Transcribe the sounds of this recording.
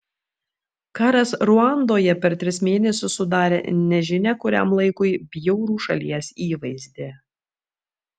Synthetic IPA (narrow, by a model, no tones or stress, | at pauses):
kɑːɾɐsɾʊɑˑnd̪oːjɛpʲɛɾt̪ʲɾʲɪsmʲeːnʲɛsʲʊsːʊd̪ɑːɾʲḛnʲɛʒʲɪnʲɛkʊɾʲæ̰mlˠɐɪkʊɪbʲjɛʊɾuːʃɐ̰lʲiɛsiːʋɐɪzʲd̪ʲeː